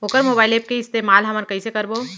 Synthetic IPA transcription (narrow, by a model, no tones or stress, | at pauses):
oːkəɾmobaːɪlep̚keɪst̪emalɦəməɾkəisekəɾbo